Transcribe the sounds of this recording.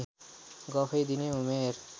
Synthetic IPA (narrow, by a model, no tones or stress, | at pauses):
ɡɔfʰejd̪ineumeɾ